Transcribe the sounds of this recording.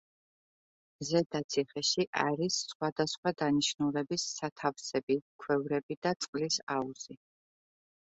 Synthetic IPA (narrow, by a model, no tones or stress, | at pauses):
zɛd̪at̪sʰiχɛʃiʔaɾisːχwad̪asχwad̪aniʃnulɛbisːat̪ʰafsɛbikʰwɛvɾɛbid̪at̪sʼqʼlisauz̥i